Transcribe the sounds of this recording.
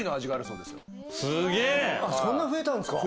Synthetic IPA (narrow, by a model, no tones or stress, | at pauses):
inoaʑiɡaaɾɯ̟so̞ːd̪e̞sɨjo̰ | sɨɡeːasõ̞nːaɸɯ̟e̞t̪ãnesɨ̥ka